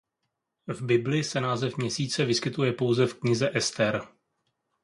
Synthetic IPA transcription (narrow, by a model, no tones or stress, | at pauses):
vbɪblɪsɛnaːzɛfmɲɛsiːt͡sɛvɪskɪt̪ujɛpo̞wzɛfkɲɪzɛʔɛst̪ɛɾ